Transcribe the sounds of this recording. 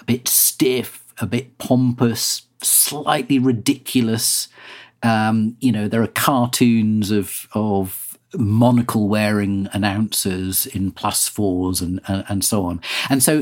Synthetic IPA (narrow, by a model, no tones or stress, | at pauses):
əb̥ɪtstɪf | əbɪt̚pʰɒ̃mpəs | laɪʔliɹɪdɪkʰjl̩ˠəsʔʌ̃mjɨnoʊðəɹəkʰɑˑɹtʰʉ̃ːnzəv̥əv | mɒnəkʰəl̩ˠwɛːɹɪ̃ŋənãʊ̃nsəzɪ̃npʰl̥asfɔːzə̃nə̃ə̃nsoʊɒ̃nə̃nsoʊ